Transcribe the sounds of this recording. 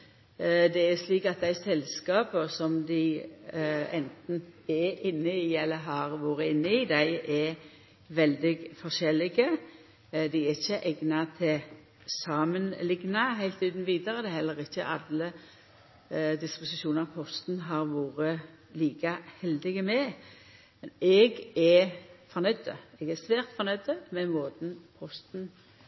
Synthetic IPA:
d̪ɛæsliːkɑt̪̚d̪æɪsɛlskɑːpəsɔmd̪ɪɪ | ɛnt̪n̩ɛɪnːəiːɛlːəɦɑɾʋoːɾəɪnːəiːd̪æɪɛ | ʋɛld̪ɪɡfɔʃɛlːɪɡə | d̪ɪæɾɪçːəʔɛɡnɑt̪ʰɪl | sɑːmənlɪɡnɑɦæɪlt̪ʉːd̪n̩ʋiːd̪əɾəd̪ɛhɛlːəʁɪçːə̰ʔɑlə | d̪ɪspʊsɪʃuːnəəpʰɔst̪nɦɑʁʋoːɾə | liːkəhɛld̪ɪɡəmɛ | mɛnɛɡɛfɔʁnœʏd̪ə̰ɛɡɛsʋæːʁt̪fɔʁnœʏd̪əmɛmoːd̪n̩pʰɔst̪n̩

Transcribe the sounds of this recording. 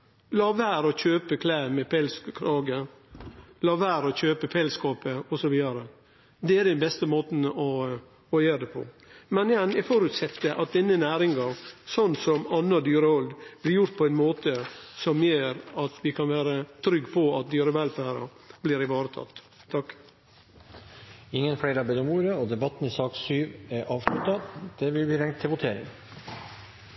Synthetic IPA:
lɑːʋæːɾɔçøːpəkʰlæːmɛpʰɛlskkʰɾɑːɡə | lɑːʋæːɾɔçøːpəpʰɛlskɑːpəɔsɔʋiːd̪ɑɾə | d̪ɛæɾɖ̪ɛnbɛst̪əmoːt̪n̩ɔ | ɔjøːɾd̪ɛpʰɔ̰ | mɛnjɛnjɛfɔɾʉt̪sɛt̪ːəʔɑt̪̚d̪ɛnːənæːɾɪŋɡɑɾsɔnːsɔmɑnːəd̪yːɾəɔld̪b̥lɪɾjʊɾt̪̚pʰɔɛɪnmoːt̪əsɔmjeːɾɑt̪ʋɪkʰɑnʋæːɾət̪ʰɾʏɡːpʰɔɑt̪̚d̪yːɾəʋɛlfæːɾɑ̰ | bliːɾɪʋɑːɾət̪ʰɑ̰t̪ːʰ | ɑk | ɪŋːənfɽeːɾəɑbeːd̪ɔmuːɾəɔd̪ɛbɑt̪ːn̩ɪsɑːksyːʋæɾʔɑːʋʂlʉt̪ɑd̪̥ɛʋɪlbiːɾɛŋt̪ʰːɪlʋʊt̪ʰeːɾɪ̰ŋ

